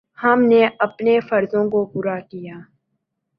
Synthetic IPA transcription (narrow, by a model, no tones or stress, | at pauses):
hɐmneɐpnefɐɾzõkopuːɾakijaː